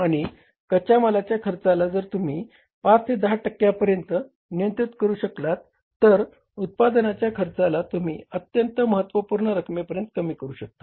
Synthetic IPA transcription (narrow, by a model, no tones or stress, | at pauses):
aɽ̃i | kət͡ɕaməlat͡ɕjakʰəɾt͡salad͡zəɾt̪um̤iː | pat͡st̪ʰed̪əɦaʈəkːjapəɾjənt̪ə | nijənt̪ɾit̪kəɾuːɕəklat̪ː | əɾ | ut̪̚pad̪ənat͡ɕjakʰəɾt͡salat̪um̤ḭːət̪jənt̪əməɦət̪ːʋəpuːɾɳəɾəkʰmepəɾjənt̪kəmiːkəɾuːɕək̚t̪ḁ